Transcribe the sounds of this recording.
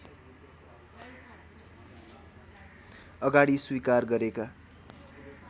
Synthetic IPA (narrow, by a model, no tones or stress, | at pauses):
ʌɡaɽiswikarɡʌɾeka